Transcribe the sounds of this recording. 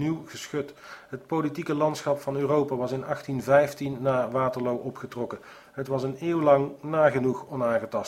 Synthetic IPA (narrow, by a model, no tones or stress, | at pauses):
niwχəsχøtɦətpolitikəlɑntsχɑpfɑnøːrowpaːʋɑsɪnɑχtinvɛjftinːaːʋaːtəɹlowʔɔpχətrɔkə | ɦətʋɑsənɪːwlɑŋnaːχənuχɔnaːχətɑs